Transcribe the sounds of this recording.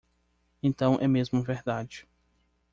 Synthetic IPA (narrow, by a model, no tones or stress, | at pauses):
ẽnt̪ɐ̃w̃ʔɛmezmʊveɾd̪ad͡ʒɪ